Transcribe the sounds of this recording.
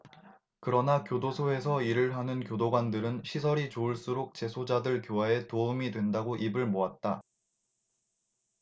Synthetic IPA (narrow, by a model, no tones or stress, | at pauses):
kɯɾʌnakjodosʰoe̞sʰʌiɾɯɭɦanɯnkjodoɡwandɯɾɯnɕʰisʰʌɾit͡ɕoɯɭs͈uɾok̚t͡ɕe̞sʰod͡ʑadɯɭkjoɦae̞toumidwe̞ndaɡoʔibɯɭmoat̚t͈a